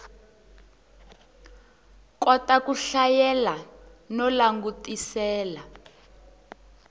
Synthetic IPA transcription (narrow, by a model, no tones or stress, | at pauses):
kɔtakuɬajɛlanɔlaŋɡutisɛːla